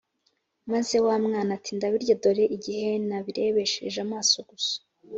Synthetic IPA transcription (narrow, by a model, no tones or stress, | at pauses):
manzewamŋaːnatiːndaβiɾɟodo̞ɾe̞ʔiɟihe̞naβiɾe̞βe̞ʃḛʒamaːso̞ɡ̥usḁ